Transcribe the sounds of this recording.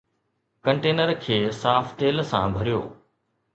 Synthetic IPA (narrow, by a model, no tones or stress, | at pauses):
kɐ̃ɳʈeːnəɾkʰeːsaːft̪eːlsã̰bʱɐɾijo̰ː